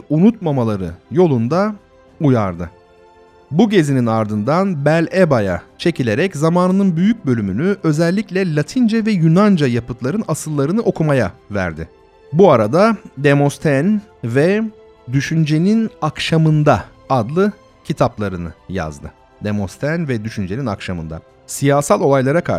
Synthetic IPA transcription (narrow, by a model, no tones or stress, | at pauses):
unut̪mamalˠaɾɯ̰jo̞lˠund̪a | ujaɾd̪ɯ | buɟe̞zininaɾd̪ɯnd̪anbælʲebaja̰t͡ʃʰe̞cʰilʲe̞ɾɛczamaːnɯnɯnbyjyc̚bø̞lʲymynyʔø̞zɛlʲːicʲlʲɛlʲat̪ʰind͡ʒɛvɛjynand͡ʒajapɯt̪lˠaɾɯnasɯlˠːaɾɯnɯʔo̞kʰumajavæ̰ɾd̪ɪ | buaɾad̪ad̪emo̞st̪ʰænvɛ | d̪yʃynd͡ʒe̞ninakʃamɯnd̪a | ad̪lˠɯ | cʰit̪ʰaplˠaɾɯnɯja̰zd̪ɯ̰ | d̪emost̪ʰænvɛd̪yʃynd͡ʒe̞nina̰kʃamɯ̰nd̪a̰ | sijaːsalʲˠo̞lˠajlˠaɾakʰa